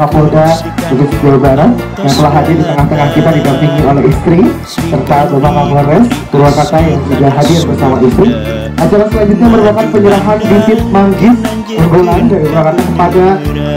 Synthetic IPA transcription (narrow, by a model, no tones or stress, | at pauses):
apoda | buvisd͡ʒabaɾa | jaŋp̪əlaɦadɪrdit̪əŋaht̪əŋahkit̪adiɡampiŋiolɛɦist̪ɾi | sərt̪adobakaɦoɾɛs | uɾuakat̪ajaŋsudaɦadɪrbərsamaist̪ɾi | ʔat͡ʃaɾasəlaɲd͡ʒut̪̚ɲaməɾubap̪̚kanpəɲəɾaɦanbisɪt̪̚maŋɡɪt̪̚ | ɡəŋɡolandaɾit̪uɾakat̪akəpada